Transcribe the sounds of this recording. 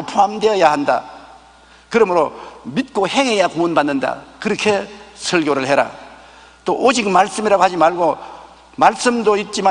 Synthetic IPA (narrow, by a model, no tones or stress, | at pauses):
opʰoɦamdeʌjahanda̰ | kɯɾʌmɯɾomit̚k͈ohe̞ŋejakoɯnbanːɯnda̰kɯɾʌkʰe̞sʰʌɭɡjoɾɯɭhe̞ɾa̰ | t͈oʔod͡ʑik̚maɭs͈ɯmiɾaɡohad͡ʑimaɭɡo | maɭs͈ɯmdoit̚t͡ɕ͈ima